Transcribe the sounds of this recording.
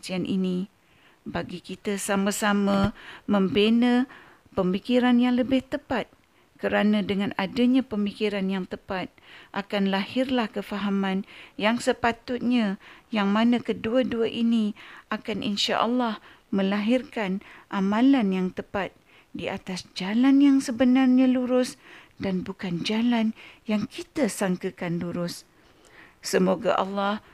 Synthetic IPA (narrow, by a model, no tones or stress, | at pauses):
t͡ʃianʔḭni | baɡikit̪əsaməsaməmə̃mbenə | pəmikiɾanjaŋləbɪht̪əpat̪̚ | kəɾanə̃dəŋãnadəɲãpəmikiɾanjaŋt̪əpat̪̚ʔakanlahɪrlahkəfaɦamãnjaŋsəpat̪ʊt̪̚ɲãjaŋmãnãkəduaduaʔiniʔakanʔḭnʃa̰ʔɑ̰lːah | mə̃laɦirkanʔamãlanjaŋt̪əpat̪̚ | diat̪asd͡ʒalanjaŋsəbənarɲãluɾʊs | danbukand͡ʒalanjaŋkit̪asaŋkəkanluɾʊs | səmoɡa̰ʔɑ̰lːɑh